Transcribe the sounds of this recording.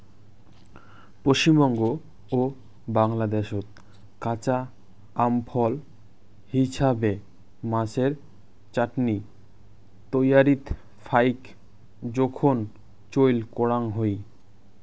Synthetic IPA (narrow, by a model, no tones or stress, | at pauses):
poʃt͡ɕimbɔŋɡo | o | baŋlad̪eʃot̪ | kat͡ɕa | ampʰɔl | hiʃabe | mãseɾ | t͡ɕaʈni | t̪ojaɾit̪ | fʰajk | d͡ʑɔkʰon | t͡ɕojlkoɽaŋɦoj